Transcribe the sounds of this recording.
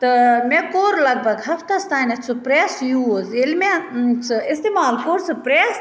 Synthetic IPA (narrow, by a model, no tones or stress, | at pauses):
t̪ɨmẽkoːɾlɐɡ̚bʱɐɡɦɐft̪ast̪aːnɐt͡sʰɨpɾɛːsjuzelmẽt͡sʰɨɪst̪eːmaːlkoːɾt͡sɨpɾɛːs